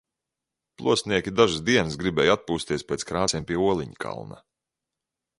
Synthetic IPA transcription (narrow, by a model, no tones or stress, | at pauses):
plˠuɔsniɛkʲid̪aʒɨsd̪iɛnsɡɾibɛːjat̪̚puːst̪ʲiɛspeːt̪skɾaːt̪sʲiɛmpʲiɛuɔlˠiɲikʰa̰lˠna̰